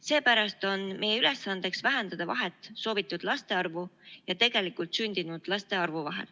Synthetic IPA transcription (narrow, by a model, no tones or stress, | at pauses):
se̞ːpæɾɑst̪o̞nme̞jeyle̞sːɑnd̪̥e̞ksvæɦe̞nd̪̥ɑd̪̥ɑvɑɦe̞t̪ːˑso̞ːvit̪ːˑud̪̥lɑst̪e̞ɑrvujɑt̪e̞ɡ̥e̞likˑult̪synʲd̪̥inud̪̥lɑst̪e̞ɑrvuvɑɦe̞̰l